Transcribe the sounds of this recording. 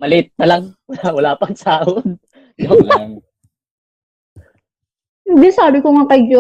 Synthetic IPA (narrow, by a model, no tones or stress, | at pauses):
mɐlɪʔɪt̪̚nɐlɐŋwɐlaːwɐlaːpɐŋsaːʔod̪̚ | jolŋ | hɪnd̪ɪsaːbɪkoŋakɐɡjo